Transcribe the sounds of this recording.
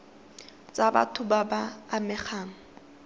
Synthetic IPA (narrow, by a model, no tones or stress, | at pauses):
t͡sʼaba̰tʰʊbabaːmɛχaːŋ̩